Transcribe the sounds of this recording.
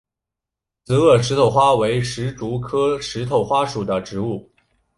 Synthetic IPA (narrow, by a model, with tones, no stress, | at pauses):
t͡sɹ̩˧˥ɤ˥˩ʂ̬ɻ̩˧˥t̪ʰo˨˩ʊxwa˥we˧˥ɪʂɻ̩˧˥ʈ͡ʂu˧˥kʰɤ˥ʂɻ̩˧˥t̪ʰo˨˩ʊxwa˥ʂu˨˩d̪ə˦ʈ͡ʂɻ̩˧˥u˥˩